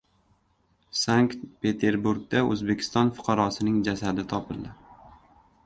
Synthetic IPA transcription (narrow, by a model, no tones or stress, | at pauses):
saŋkt̪pe̞t̪ʰe̞ɾbuɾɡ̚d̪aɵ̰zbe̞kʲʰɪ̥st̪ɒnfʊ̥qʰɑɾɒsɪnɪŋd͡ʒasad̪ɪt̪ʰɒpʰɪld̪ɪ